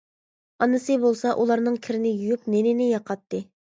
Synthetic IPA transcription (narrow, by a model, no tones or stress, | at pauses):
ɑnɨsɨbolˠsɑʔulˠɑɾnɨŋkʲʰɪɾɪnɪjujupnenɪnɪjɑqʰɑt̪ːɨ